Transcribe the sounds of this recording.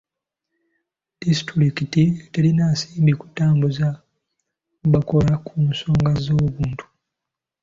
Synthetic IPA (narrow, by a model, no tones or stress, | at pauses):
d̥istuɾikitite̞linaːsiːmbiku̥tːaːmbuza | βako̞lakʰumuso̞ːŋɡazoβuːntʰu̥